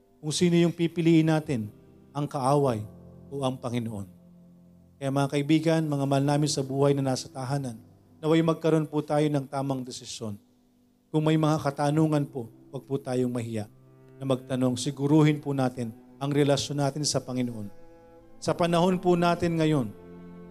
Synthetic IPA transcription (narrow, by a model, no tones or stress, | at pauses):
kʊŋsiːnojʊŋpipɪliːʔɪnːaːt̪ɪn | ʔɐŋkɐʔaːwɐjʔo̞ʔɐŋpɐŋɪnoʔo̞̰n | kɐjaʔmɐŋakɐʔɪbiːɡɐnmɐŋamɐlaːmɪnsɐbuːhɐjnɐnaːsɐt̪aɦaːnɐnː | ɐwɐjmɐɡ̚kɐɾo̞npʊt̪aːjo̞nɐŋt̪aːmɐŋd̪ɛsɪsjo̞n | kʊŋmɐjmɐŋakɐt̪aːnuːŋɐnpo | wɐɡ̚pʊt̪aːjoŋmɐɦɪjaʔ | nɐmɐɡ̚t̪ɐno̞ŋsɪɡʊɾuːhɪnpʊnaːt̪ɪn | ʔɐŋɾɛlɐʃjonːaːt̪ɪnsɐpɐŋɪnoʔo̞n | sɐpɐnɐho̞npʊnaːt̪ɪnŋɐjo̞n